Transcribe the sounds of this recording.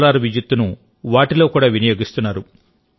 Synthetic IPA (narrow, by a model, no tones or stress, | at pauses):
laːɾuʋid͡ʒut̪ːunu | ʋaːʈilo̞ːkuːɽaːʋinɐjo̞ːɡist̪unːaːɾu